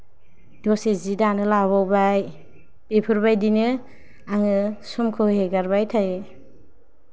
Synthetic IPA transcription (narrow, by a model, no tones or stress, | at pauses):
dɔsezidanɯlaβawbaj | pepʰɯɾbajdinɯ | aŋɯsɔmkʰɯheɡaɾbajtʰaj